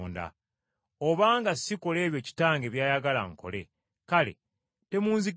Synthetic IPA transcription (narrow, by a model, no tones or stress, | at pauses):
nda̰ | oβaːŋɡasiko̞le̞ːβjo̞ːci̥taːŋɡe̞βjaːjaɡala̰ŋko̞̰le̞̰ | kale̞̰ | te̞muːnzi